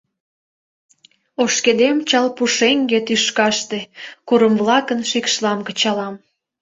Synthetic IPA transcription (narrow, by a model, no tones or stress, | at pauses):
oʃked̪emt͡ɕɑlpuʃeŋɡet̪yʃkɑʃt̪ekuɾəmvlɑkənʃikʃlɑmkət͡ɕɑlɑm